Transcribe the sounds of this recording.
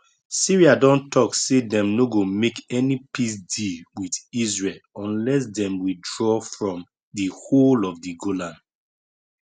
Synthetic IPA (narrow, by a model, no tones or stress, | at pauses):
siɹiadɔ̃ntʰɔksedɛ̃mnoɡomekɛnipis̬diwidizɹelɔ̃nlɛs̬dɛ̃mwidɹɔfɹɔ̃m | diholɔvdiɡolãn